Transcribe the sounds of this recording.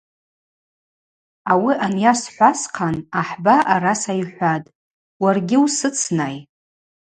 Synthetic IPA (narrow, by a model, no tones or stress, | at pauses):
awiʔanjasħʷasqʰanaħbaʔaɾasajħʷatʼ | warɡʲɪusɨt͡sʰnaj